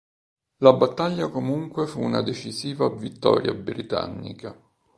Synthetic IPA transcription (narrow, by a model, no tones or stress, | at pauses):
labat̪ːaʎːakomuŋkwefuna̰d̪et͡ʃiziːvavit̪ːɔ̰ːɾja̰bɾit̪a̰nːḭka